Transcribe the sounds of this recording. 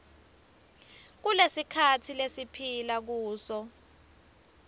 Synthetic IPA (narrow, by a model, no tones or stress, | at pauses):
k̬ulesikʰatʰilesipʰilak̬uːsɔ